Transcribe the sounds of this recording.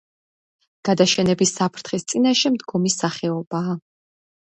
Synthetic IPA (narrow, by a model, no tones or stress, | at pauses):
ɡ̥ad̪aʃɛnɛbisːapʰɾt̪ʰχist̪sʼinaʃɛmd̪ɡɔmisaχɛɔbaː